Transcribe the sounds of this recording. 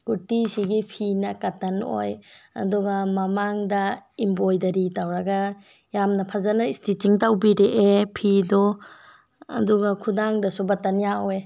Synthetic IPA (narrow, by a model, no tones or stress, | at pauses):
ɡ̥utisiɡipʰinakatːɐno̰jɐ̰duɡamɐmaŋdɐimbojdɐɾitawɾɐɡa | jamnɐpʰazanaistitiŋtawbiɾeʔepʰidɔ | ɐ̰duɡakʰudaŋdɐsubatɐnijaoe